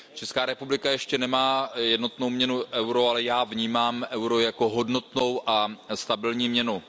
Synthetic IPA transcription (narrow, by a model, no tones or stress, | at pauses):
t͡ʃɛskaːɾɛpublɪkajɛʃcɛnɛmaːjɛdno̞t̪no̞wmɲɛnuʔɛwɾoalɛjaːvɲiːmaːmʔɛwɾojako̞ɦo̞dno̞t̪no̞wʔast̪abɪlɲiːmɲɛnu